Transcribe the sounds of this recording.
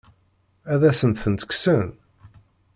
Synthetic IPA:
æðæsənt̪θənt̪kʷsən

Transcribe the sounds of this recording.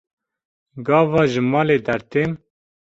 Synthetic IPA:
ɡɑːvɑːʒɨmɑːleːd̪æɾt̪eːm

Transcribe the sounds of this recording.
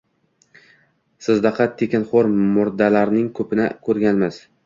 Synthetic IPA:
sɪzd̪aqʰɑt̪ʰːekʲɪnχoɾmʊɾd̪alaɾnɪŋkʰɵpɪnɪkʰɵɾɡʲanmɪz̥

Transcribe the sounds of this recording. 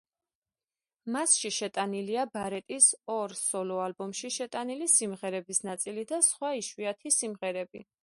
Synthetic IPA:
masʃiʃɛt̪ʼaniliabaɾɛt̪ʼisɔɾsɔlɔalbɔmʃiʃɛt̪ʼanilisimʁɛɾɛbisnat̪sʼilid̪asχwaiʃwiat̪ʰisimʁɛɾɛbḭ

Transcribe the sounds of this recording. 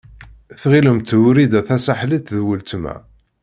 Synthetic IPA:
θʁiləmt̪ɾid̪æθæsaħlit̪ðwəlt̪mæ̰

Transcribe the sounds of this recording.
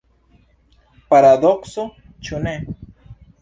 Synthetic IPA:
pɐɾaːd̪oqso | t͡ɕʰunẽ

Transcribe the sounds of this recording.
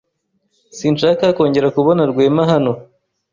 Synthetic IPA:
siːnʃaːkaːko̞ːɲɟe̞ɾakuβo̞naɾɡwe̞ːmaɦano̞

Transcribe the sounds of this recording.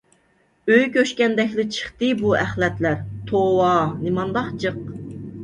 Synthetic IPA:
øjkʲøʃkʲɛnd̪ɛkʲlɪt͡ʃʰə̥χt̪ɨbuæχlɛt̪læɾt̪ʰowɑnɪmɑnd̪ɑχt͡ʃʰɨq

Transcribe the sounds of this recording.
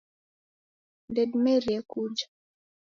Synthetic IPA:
ndedmeɾjɛkud͡ʒa

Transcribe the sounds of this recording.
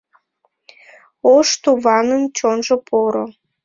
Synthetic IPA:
oʃt̪uβɑnənt͡ɕonʒopʰoɾo

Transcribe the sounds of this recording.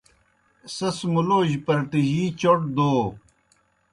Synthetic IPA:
sɐsmuloːʑpɐɾʈ̪iʑiːt͡ɕoʈ̚d̪oː

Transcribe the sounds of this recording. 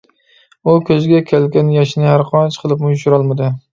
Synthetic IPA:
ʊkʲʰɵzɡʲakʲʰelɡʲanjaʃnɪhaɾqʰɒnt͡ʃqʰɨlˠɪpmʊjʃʊɾɒlˠmad̪ɪ

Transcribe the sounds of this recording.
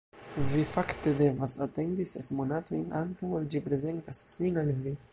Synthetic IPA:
vifakt̪ed̪evasat̪end̪isḛsmonat̪ojnant̪awald͡ʒipɾezent̪asːiŋalvi

